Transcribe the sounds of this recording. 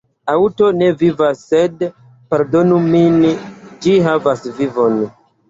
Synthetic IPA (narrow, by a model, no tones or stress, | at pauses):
awto̞ne̞vivasːe̞d | paɾdo̞numind͡ʒiɦavasvivo̞n